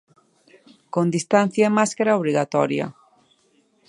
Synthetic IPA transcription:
kond̪ist̪an̟θjaemaskaɾaoβ̞ɾiɣat̪ɔɾja̰

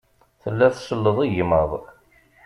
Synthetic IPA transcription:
θəlːæθsəlːəðˤiʝməðˤ

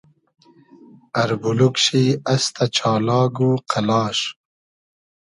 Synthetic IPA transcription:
ɐɾbulukʃiːɐst̪ʰɐt͡ʃʰɑːlɑːɡuːqʰalɑːʃ

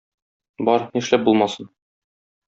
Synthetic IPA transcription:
bɒɾniʃlæp̚bulˠmɑsɤn

